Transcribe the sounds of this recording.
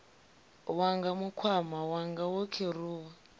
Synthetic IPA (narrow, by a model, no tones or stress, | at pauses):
waŋɡamukʰwamawaŋɡawɔkʰeruːwa